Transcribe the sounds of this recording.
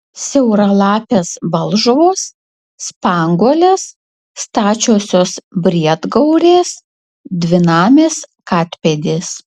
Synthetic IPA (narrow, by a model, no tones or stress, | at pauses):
sʲɛʊɾɐlˠɑːpʲeːsbɐlˠʒʊʋoːs | spɑːŋɡoːlʲes | st̪ɑːt͡ʃʲoːsʲoːsbʲɾʲiɛd̪ɡɐʊɾʲeːs | d̪ʲʋʲɪnɑːmʲeːskɑːt̪ʲpʲed̪ʲeːs